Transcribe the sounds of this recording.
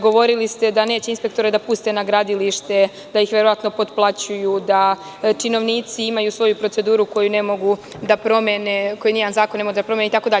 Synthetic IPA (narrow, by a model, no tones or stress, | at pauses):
ɡo̞ʋo̞ɾilist̪e̞d̪ane̞ːt͡ɕeinspe̞kt̪o̞ɾe̞d̪apuːst̪e̞naɡɾad̪iliʃt̪e̞ | d̪̥aixʋeɾo̞ʋat̪no̞po̞t̪plˠat͡ɕujud̪a | t͡ʃino̞ʋniːt̪siimajusʋo̞jupɾo̞t̪se̞d̪uːɾuko̞june̞mo̞ɡu | d̪apɾo̞mene̞ko̞jinianzaːkonemo̞ɡdd̪apɾomenit̪ako̞d̪aʎ